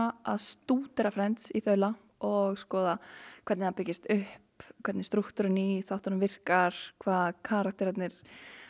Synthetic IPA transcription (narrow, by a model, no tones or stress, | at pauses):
aðst̪uːt̪ɛɾafɾɛnt̪siθœːɥla | ɔɣskɔːðakʰvɛɾt̪nɪhapɪcːɪst̪ʏhpkʰvɛɾt̪nɪst̪ɾuht̪ʏɾɪniθawht̪aɾmvɪr̥kaɾ̥kʰvaːðkʰaɾak̚t̪ɪɾat̪nɪɾ̥